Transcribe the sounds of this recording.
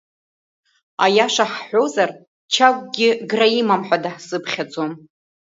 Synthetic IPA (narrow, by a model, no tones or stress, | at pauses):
a̰jaʂaħħʷozar | t͡ʃʰak̚ʷʼɡʲɪɡraimamħʷᶣadaħsɨpʰχʲad͡zʼom